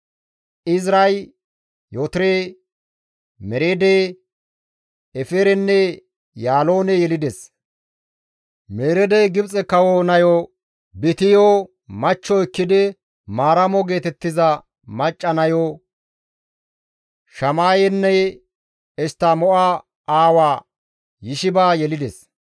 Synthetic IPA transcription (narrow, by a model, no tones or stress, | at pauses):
ʔɪzɾɐj | jot̪ɾeː | mɛɾeːd̪e | ɛfeɾɛnːɛ | jaːlo̞ːnɛjɛlɪd̪ɛs | meːɾɛd̪ɛjɡɪbt͡sʼɛkɐwonɐjɔ | bɪt̪ɪjo | mɐt͡ʃːɔɪkːɪd̪ɪ | maːɾɐmɔɡe̞ːt̪ɛt̪ːɪzɐ | mɐt͡ʃʼːɐnɐjo | ʃɐmaːjɛnːɛ | ɛst̪ːamɔʔa | aːwaː | jɪʃɪbaːjɛlɪd̪ɛs